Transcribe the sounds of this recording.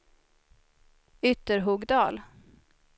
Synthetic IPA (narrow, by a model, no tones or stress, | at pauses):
ʏt̪ːəɾɦuːɡd̪ɑːl